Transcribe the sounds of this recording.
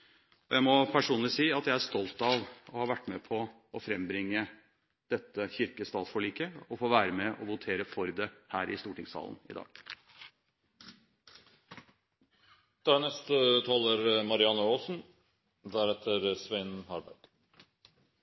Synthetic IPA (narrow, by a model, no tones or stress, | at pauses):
ɔjæɪmɔpʰæʂuːnlɪsiːɑt̪jæɪæʂt̪ɔlt̪ɑʋɔhɑːʋæʈːmɛpʰɔ | ɔfɾɛmbɾɪŋːə | d̪̥ɛt̪ːəçʏɾkəst̪ɑːt̪sfɔɭiːkəɔfoːʋæːɾəmɛʔɔʋʊt̪ʰeːɾəfɔɾd̪ɛhæːɾʔɪ̰st̪uːʈɪŋsɑ̰ːln̩ɪ̰d̪ɑ̰ːɡ̥ | d̪̥ɑnɛst̪ət̪ʰɑːləɾmɑɾɪɑnːəoːsn̩ | d̪æɾɛt̪ʰəɾsʋeɪnhɑɾbæ̰ɾd̪̥